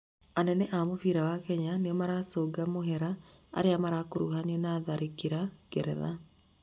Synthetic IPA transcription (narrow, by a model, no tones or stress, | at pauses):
anɛnɛʔamofiɾawakɛɲanemaɾasoːɡamoɦɛɾa | a̰ɾeamaɾakoɾuɦaniɔnaðaɾikiɾaɡɛɾɛ̰ða̰